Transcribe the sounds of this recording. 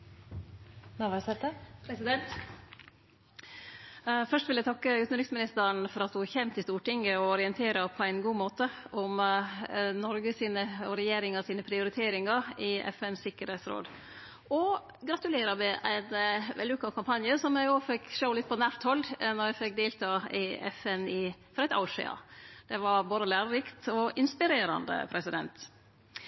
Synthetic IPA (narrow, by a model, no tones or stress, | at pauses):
nɑʋɑsɛt̪əpʰɾɛsɪd̪ɛnt̪ | fœʂʈʋɪljæɪt̪ʰɑkːəʉːt̪n̩ɾɪksmɪnɪst̪əɾəɳfɔɾɑt̪hʊçɛmt̪ʰɪst̪uːʈɪŋəɔɔɾɪənt̪ʰeːɾəpʰɔæɪnɡuːmoːt̪əɔm | nɔɾɡəsiːnəɔɾɛjeːɾɪŋɑsiːnəpʰɾɪʊɾɪt̪ʰeːɾɪŋɑɾɪɛ̰fɛnsɪkːəɾheːt̪sɾo̰ːd̪ | ɔ | ɡɾɑt̪ʉleːɾɑmɛʔæɪnʋɛ̰lʉkːɑkʰɑmpʰɑnjəsɔmjæɪoːfɛkːʃəʊlɪt̪̚pʰɔnæːɾt̪hɔlːnɔɾjæfɛk̚ːd̪eːlt̪ʰɑːɪɛ̰fɛnɪfɔɾæɪt̪ɑ̰ʊʂɪ̰ɑ̰d̪̥ɛʋɑɾboːd̪əlæːɾəɾɪkt̪ɔʔɪnspɪɾeːɾɑ̰nd̪ə̰pʰɾɛsɪd̪ɛ̰nt̪